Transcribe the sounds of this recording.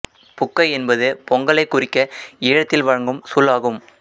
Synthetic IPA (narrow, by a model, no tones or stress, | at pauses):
pʊkːɐɪɛnbɐðɯpɔŋɡɐɭɐɪkːʊrɪkːɐɪːɻɐt̪ːɪlʋɐɻɐŋɡɯmsuːlaːɣɯm